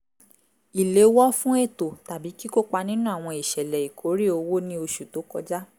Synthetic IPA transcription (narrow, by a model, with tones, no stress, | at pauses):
i˨le˨˦wɔ˦fũ˦e˦˨to˨ta˨bi˨˦ki˦ko˦k͡pa˧nĩ˦nũ˦a˦˨w̃ɔ̃˧i˨ʃɛ˨lɛ˨i˨kʰo˨˦ɾi˦o˧wo˦nĩ˦o˧ʃu˨to˨˦kɔ̰˧d͡ʒa˦